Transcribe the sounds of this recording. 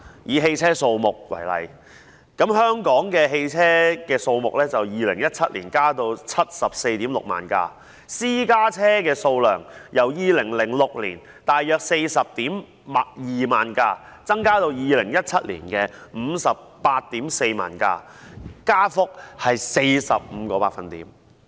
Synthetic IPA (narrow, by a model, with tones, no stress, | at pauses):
jiː˨˧ɦe˧jt͡sʰɛː˥so˧wmʊ˨k̚wɐ̰˨˩jlɐ̰˨j | kɐ˨˥mhœː˥ŋkɔː˨˥ŋkɛː˧ɦe˧jt͡sʰɛː˥kɛː˧so˧wmʊ˨k̚lɛ˥t͡sɐ˨wjiː˨lɪ˨˩ŋjɐ˥t̚t͡sʰɐ˥t̚lḭː˨˩nkaː˥t̪o˧wt͡sʰɐ˥t̚sɐ˨p̚se˧jt̪iː˨˥mlʊ̰˨k̚ma̰ː˨nka̰ː˧ | siː˥kaː˥t͡sʰɛː˥kɛː˧so˧wlœ̰ː˨˩ŋjɐ˨˩wjiː˨˧lɪ˨˩ŋlɪ˨˩ŋlʊ˨k̚liː˨˩n | t̪aː˨jjœː˨k̚se˧jsɐ˨p̚t̪iː˨˥m | ma˨jiː˨maː˨nkaː˧ | t͡sɐ˥ŋkaː˥t̪o˧wjiː˨lɪ˨˩ŋjɐ˥t̚t͡sʰɐ˥t̚lḭː˨˩nkɛː˧m̩˨˧sɐ˨p̚pːaː˧t̚t̪iː˨˥mse˧jma̰ː˨˩nka̰ː˧kaː˥fʊ˥k̚hɐ˨jse˧jsɐ̰˨p̚m̩˨˧kɔː˧paː˧˩fɐ˧nt̪iː˨˥m